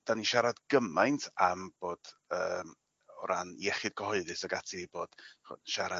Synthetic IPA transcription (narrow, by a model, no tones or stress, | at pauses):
d̥aniʃaɾadɡ̥əmajntʰamb̥oːd̥əːm | ɔɾanjɛχɪd̥̚ɡɔhɔɨðɨsaɡatʰiboːd̥χɔ̰ʃaɾa